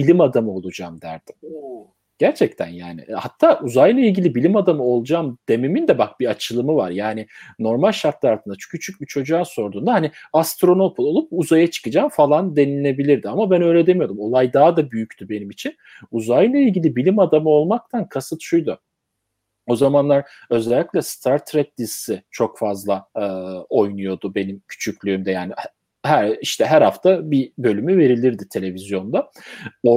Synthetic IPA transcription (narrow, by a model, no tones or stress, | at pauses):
bilʲimad̪amɯo̞lˠud͡ʒamd̪æ̰ɾd̪̥i̥m | ɟ̥æɾt͡ʃʰɛct̪ʰæ̰nja̰ːnɪ̰hat̪ʰːaːʔuzajlˠailʲɟilʲibilʲimad̪amɯo̞lˠud͡ʒamd̪̥e̞mimind̪ɛbak̚biat͡ʃʰɯlˠɯmɯva̰ɾjaːnɪno̞ɾmalʲʃaɾt̪lˠɯalˠt̪ɯnd̪at͡ʃcʰyt͡ʃʰyc̚bit͡ʃʰo̞d͡ʒuaːso̞ɾd̪uːnd̪ahaniast̪ɾo̞no̞pʰoolˠup̚uzajat͡ʃʰɯ̥kɯd͡ʒaːmfalˠand̪e̞nine̞bilʲiɾd̪iamabænø̞jlʲɛd̪e̞mijo̞ɾumo̞lˠajd̪aad̪abyjyct̪ʰybe̞nimit͡ʃʰin | uzajlˠailʲɟilʲibilʲimad̪amɯo̞lˠmak̚t̪ʰankʰasɯt̪ʃujd̪ʊ | o̞zamanlˠaɾ | ø̞zɛlʲːicʲlʲɛst̪ʰaɾt̪ʰɾɛt̪̚d̪ʲizsit͡ʃʰo̞kfazlˠa | o̞jnujo̞d̪ʊbe̞nimcʰy̥t͡ʃʰycʲlʲyːmd̪ɛjaːni | hæɾiʃt̪ʰɛɦæɾhaft̪ʰabibø̞lʲymyve̞ɾilʲiɾd̪it̪ʰe̞lʲe̞vizjo̞nd̪a | o